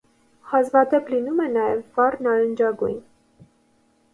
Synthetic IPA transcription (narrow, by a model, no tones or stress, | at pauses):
hɑzvɑd̪ɛplinumɛnɑjɛvvɑrnɑɾənd͡ʒɑɡṵjn